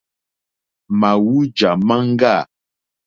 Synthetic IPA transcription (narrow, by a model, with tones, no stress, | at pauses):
ma˨wu˦d͡ʒa˨ma˦ŋ̩˦ɡa˦˨